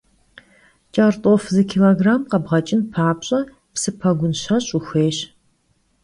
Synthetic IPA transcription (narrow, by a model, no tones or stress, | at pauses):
t͡ʃʼartʼofzɨkʰiloːɡraːmqɐbʁɐt͡ʃʼɪnpʰaːpɕʼɐ | psɨpʰɐɡʷʊnɕɐɕʼuxʷeːɕ